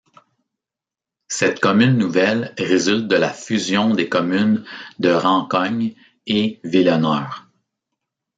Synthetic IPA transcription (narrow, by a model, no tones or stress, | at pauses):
sɛt̪̚kɔmynːuvɛlʁezylt̪̚d̪əlafyzjɔ̃d̪eːkɔmynd̪əʁɑ̃kɔɲ | evilɔnœːʁ